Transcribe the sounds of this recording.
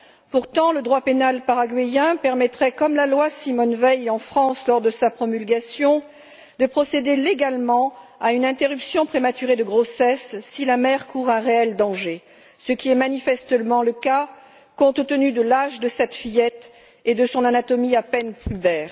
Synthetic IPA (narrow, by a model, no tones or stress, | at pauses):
puʁt̪ɑ̃ləd̪ʁwapenalpaʁaɡɥijɛ̃pɛʁmɛt̪χɛkɔmlalwasimɔnvɛjɑ̃fχɑ̃slɔʁd̪əsapχɔmylɡasjɔ̃ | d̪əpχɔsed̪eleɡalmɑ̃aynɛ̃t̪eʁypsjɔ̃pχemat̪yʁed̪əɡʁosɛsːilamɛʁkuʁɛ̃ʁeɛld̪ɑ̃ʒe | səkʲiɛmanifɛst̪əmɑ̃ləka | kɔ̃t̪t̪ənyd̪əlaʒd̪əsɛt̪fijɛt̪ | ed̪əsɔ̃nanat̪ɔmiapɛnpybɛːʁ